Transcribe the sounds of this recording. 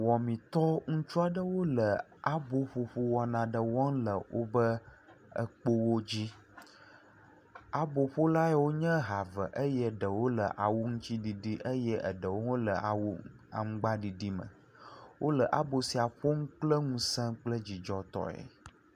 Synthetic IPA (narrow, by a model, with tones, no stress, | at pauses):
wɔ˨mĩ˨t̪ɔ˦ŋũ˦t͡ʃu˦a˨ɖə˦wo˦lə˨a˦bo˨ɸo˨ɸo˦wɔ˨nã˨ɖə˨wɔ˦ŋ̩˦lə˨wʔo̰˦bə˦ | ə̰˦k͡po˦wo˦d͡ʑi˦ | a˨bo˨ɸo˦la˦ɛ˦wo˦ɲə̃˦ɦa˨və̰˨ʔə˦jɛ˦ɖə˨wo˦lə˨ʔa˨wu˦ŋũ˦t͡ɕi˦ɖi˨ɖi˦ʔə˦jə˦ʔə̰˨ɖə˨wo˦wo˦lə˨ʔa̰˨wu˦ | a̰˨ŋ̩˦ɡ͡ba˦ɖi˨ɖi˦mə̰̃˨ | wo˦lə˨ʔa˦bo˨si˨a˨ɸo˦ŋũ˦k͡plə˦ŋũ˦sə̃˦k͡plə˦d͡ʑi˨d͡ʒɔ˦t̪ɔ̰˦ɛ̰˨